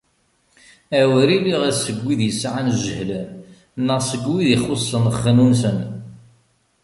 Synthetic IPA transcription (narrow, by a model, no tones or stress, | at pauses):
æwɾiliʁæsəɡːiðjəsːʕanʒəhlən | nːəʁsəɡwiðiχosˤːənəχːənunsən